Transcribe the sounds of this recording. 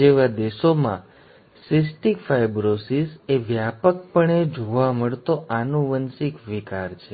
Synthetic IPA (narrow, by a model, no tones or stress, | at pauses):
eʋad̪eʃomã̰ | sisʈikfajbɾosiseʋjapək̚pəɳed͡ʒoʋaməɭt̪oʔanũʋənsikʋikaɾt͡ʃʰe